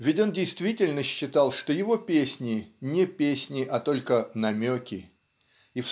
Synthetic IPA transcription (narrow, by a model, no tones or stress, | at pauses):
vʲɪtʲo̞ndʲɪjst̪vʲitʲɪlʲnəɕːɪt̪ɑlˠʂt̪o̞jɪvo̞pʲesʲnʲɪnʲɪpʲesʲnʲɪʔɐt̪o̞lʲkənɐmʲokʲɪ | if